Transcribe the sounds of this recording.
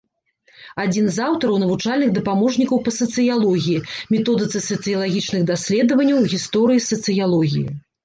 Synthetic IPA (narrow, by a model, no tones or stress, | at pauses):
ad͡zʲinzawt̪ɐɾɐwnɐvut͡ʂalʲnɨɣd̪ɐpamɔʐnʲikɐwpɐsɐt̪sɨjalˠɔɣʲijimʲɛt̪ɔd̪ɨt̪sɨsɐt̪sɨjɐlˠaɣʲit͡ʂnɨɣd̪asʲlʲɛd̪ɐvɐnʲːɐwɣʲist̪ɔɾɨjisɐt̪sɨjalˠɔɣʲḭjḭ